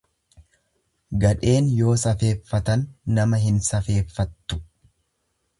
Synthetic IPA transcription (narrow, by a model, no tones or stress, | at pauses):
ɡɐᶑe̞ːnjo̞ːsɐfe̞ːfːɐt̪ɐnːɐmɐɦɪnsɐfe̞ːfːɐt̪ːʊ̥